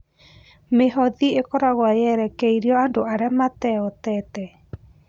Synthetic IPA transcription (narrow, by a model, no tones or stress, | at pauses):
meɦɔðiekɔɾaɣwajɛɾɛkɛiɾiɔandoaɾɛmatɛɔtɛtɛ